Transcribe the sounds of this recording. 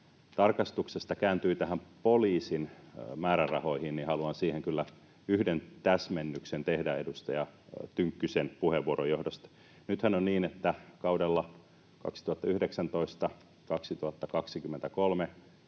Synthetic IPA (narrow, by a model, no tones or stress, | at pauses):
t̪ɑrkɑst̪uksest̪ɑkæːnt̪yːt̪æhæmpoliːsinmæːɾærɑhoihinnihɑluɑnsiːheŋkylːæ | yhdent̪æsmenːyksent̪ehdæedust̪ɑjɑt̪yŋkːysenpuheʋːuoɾojohdost̪ | nyt̪hænonniːnet̪ːækɑudelːɑ | kɑ̰ksi̥t̪uhɑt̪ːɑyhdeksænt̪oist̪ɑ | kɑksit̪uhɑt̪ːɑkɑksikymːent̪ækolme